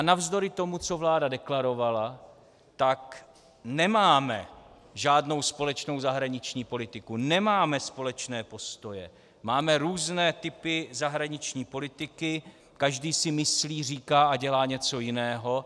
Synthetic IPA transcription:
anavzdo̞ɾɪt̪o̞mut͡so̞vlaːdadɛklaɾo̞vala | t̪ak | nɛmaːmɛ̰ | ʒaːdno̞wspo̞lɛt͡ʃno̞wzaɦɾaɲɪt͡ʃɲiːpo̞lɪt̪ɪkunɛmaːmɛspo̞lɛt͡ʃnɛːpo̞st̪o̞jɛ̰ | maːmɛɾuːznɛːt̪ɪpɪzaɦɾaɲɪt͡ʃɲiːpo̞lɪt̪ɪkɪ | kaʒdiːsɪmɪsliːriːkaːʔaɟɛlaːɲɛt͡so̞jɪnɛːɦo̞

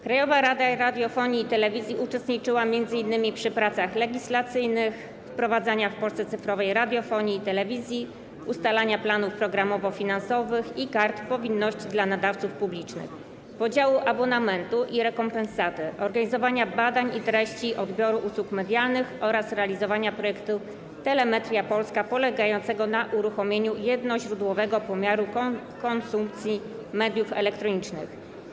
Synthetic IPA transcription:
kɾajɔvaɾad̪aɾad̪ʲjɔfɔɲiːt̪ɛlɛvʲizʲjiʔut͡ʂɛst̪ɲit͡ʂɘwamʲjɛnd̪zɘinːɘmʲipʂɘpɾat̪saxlɛɡʲislat̪sɘjnɘx | fpɾɔvad̪zaɲafpɔlsɛt̪sɘfɾɔvɛjɾad̪ʲjɔfɔɲiːt̪ɛlɛvʲizʲji | ust̪alaɲaplanufpɾɔɡɾamɔvɔfʲinansɔvɘxikaɾt̪pɔvʲinːɔɕt͡ɕid̪lanad̪aft̪sufpublʲit͡ʂnɘ̰x | pɔd͡ʑawuʔabɔnamɛnt̪uʔiɾɛkɔmpɛnsat̪ɘʔɔɾɡaɲizɔvaɲabad̪aɲit̪ɾɛɕt͡ɕiʔɔd̪bʲjɔɾuʔuswukmɛd̪ʲjalnɘxɔɾasɾɛalʲizɔvaɲapɾɔjɛkt̪u | t̪ɛlɛmɛt̪ɾʲjapɔlskapɔlɛɡajɔnt̪sɛɡɔnaʔuɾuxɔmʲjeɲujɛd̪nɔʑɾud̪wɔvɛɡɔpɔmʲjaɾu | kɔnsump̚t̪sʲji | mɛd̪ʲjufɛlɛkt̪ɾɔɲit͡ʂnɘ̰x

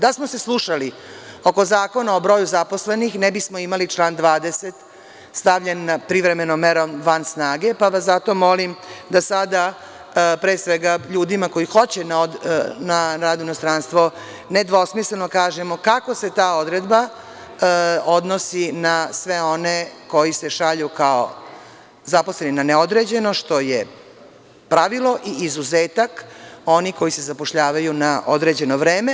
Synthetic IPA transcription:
d̪asmo̞se̞slˠuʃali | o̞ko̞zaːko̞nao̞bɾo̞ːjuzaposle̞nixnebismo̞imalit͡ʃlˠaːnd̪ʋaːd̪eset̪ | st̪aʋʎenːapɾiʋɾe̞me̞nomːeɾomʋansnaːɡe̞paʋaszat̪o̞mo̞limd̪asad̪a | pɾeːsʋeɡaʎuːd̪imako̞ixo̞t͡ɕenanaɾaːd̪uinost̪ɾaːnst̪ʋo̞ | ned̪ʋo̞smislenokaːʒemokako̞se̞t̪aːo̞d̪ɾed̪ba | o̞d̪nosinasʋeone̞ko̞jise̞ʃaʎukao̰ | zaposleninaneo̞d̪ɾed͡ʑe̞no̞ʃt̪o̞je | pɾaʋilˠo̞ʔiizuzeːt̪ako̞niko̞jise̞zapoʃʎaːʋajunaʔod̪ɾeːd͡ʑe̞noʋɾeːme

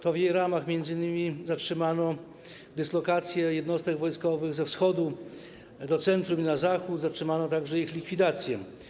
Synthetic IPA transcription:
t̪ɔvjejɾamaxmʲjɛnd̪zɘɲʲɘmʲizatʂɘmanɔ | d̪ɘslɔkat̪sʲjɛjɛd̪nɔst̪ɛɡvɔjskɔvɘɣzɛfsxɔd̪u | d̪ɔt̪sɛnt̪ɾuminazaxut̪zat͡ʂʂɘmanɔt̪aɡʐɛixlʲikfʲid̪at̪sʲjɛ

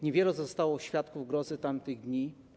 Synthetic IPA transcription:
ɲevʲjɛlɛzɔst̪awɔɕfʲjat̪kuvɡɾɔzɘt̪amt̪ɘɣd̪ɲi

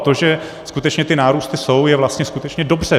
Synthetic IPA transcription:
t̪oʒɛ | skut̪ɛt͡ʃɲɛt̪ɪnaːɾuːst̪ɪso̞wjɛvlast̪ɲɛskut̪ɛt͡ʃɲɛdo̞br̝̥ɛ

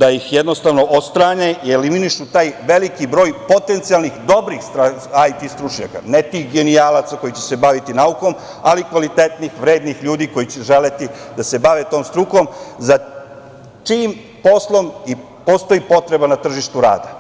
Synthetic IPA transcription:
d̪ajixjed̪no̞st̪aʋno̞ʔot̪st̪ɾaɲeʔie̞liminiʃut̪aːjʋe̞likibɾo̞ːjpo̞t̪e̞nt̪sijalnixd̪o̞bɾixst̪ɾa | ajt̪ist̪ɾuʃɲa̰ka̰net̪iːxɡe̞nijalat̪sako̞jit͡ɕe̥sebaʋit̪inauko̞m | alikʋalit̪e̞t̪nixʋɾe̞ːd̪nixʎuːd̪iko̞jit͡ɕeʒe̞let̪id̪ase̞baʋet̪o̞ːmst̪ɾuko̞mza | t͡ʃiːm | po̞slˠo̞mi | po̞st̪o̞ipo̞t̪ɾe̞banat̪r̩ʒiʃt̪uɾa̰ːd̪a

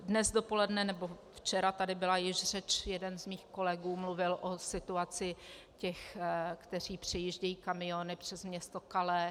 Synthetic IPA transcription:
dnɛzdo̞po̞lɛdnɛnɛbo̞ft͡ʃɛɾat̪adɪbɪlajɪʃr̝ɛt͡ʃjɛdɛnzmiːxko̞lɛɡuːmluvɪlʔosɪt̪uat͡sɪ | cɛxkt̪ɛr̝iːpr̝̥ɛjiːʒɟɛjiːkamɪonɪpr̥ɛzmɲɛst̪o̞kalɛ

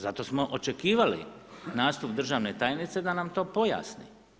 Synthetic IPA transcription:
zat̪o̞smoʔot͡ʃe̞kiːʋalḭnaːst̪upd̪r̩ʒaːʋne̞t̪aːjnit̪se̞d̪anamt̪o̞ːpo̞ja̰snḭ

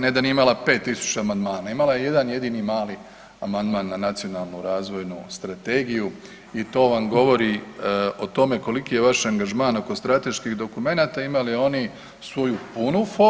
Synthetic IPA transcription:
ned̪aniimalˠape̞t̪ːisu̥t͡ɕaamand̪maːnaimalajeje̞d̪anje̞d̪inimaːli | amand̪manːanat̪sijo̞nalˠnuɾaːzʋo̞jnust̪ɾat̪e̞ɡiju | it̪o̞ːʋamɡo̞ʋo̞ɾio̞t̪o̞me̞ko̞likije̞ʋaʃaŋɡaʒmaːno̞ko̞st̪ɾat̪e̞ʃkiɣd̪o̞kume̞naːt̪aimalio̞ni | sʋo̞jupunufo

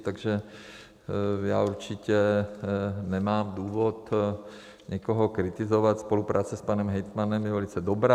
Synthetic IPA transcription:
t̪aɡʒɛ | ja̰ːuɾt͡ʃicɛ | nɛmaːmd̪uːʋɔt̪ | ɲɛkɔɦɔkɾit̪izɔʋat̪spolupɾaːt͡sɛspanɛmɦɛjt̪manɛmjɛvɛlit͡sɛd̪ɔbɾaː

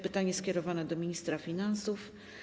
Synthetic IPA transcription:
pɘt̪aɲɛskʲɛɾɔvanɛd̪ɔmʲiɲist̪ɾafʲinansuf

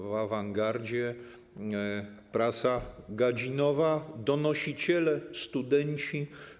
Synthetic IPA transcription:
vavaŋɡaɾd͡ʑɛ | pɾasaɡad͡ʑinɔvad̪ɔnɔɕit͡ɕɛlɛst̪ud̪ɛɲt͡ɕi

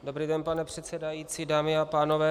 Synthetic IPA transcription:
do̞bɾiːdɛnpanɛpr̝̥ɛt̪sɛdajit͡sidaːmɪapaːno̞vɛː

